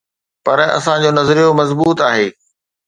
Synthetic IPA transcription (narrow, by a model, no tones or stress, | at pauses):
pɐɾɐ̰sãd͡ʑoːnɐzɾijomɐzbuːt̪aːɦeː